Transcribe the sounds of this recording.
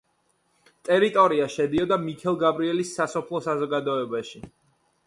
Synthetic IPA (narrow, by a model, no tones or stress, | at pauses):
t̪ʼɛɾit̪ʼɔɾiaʃɛd̪iɔd̪amikʰɛlˠɡabɾiɛlisːasɔpʰlˠɔsazɔɡad̪ɔɛbaʃi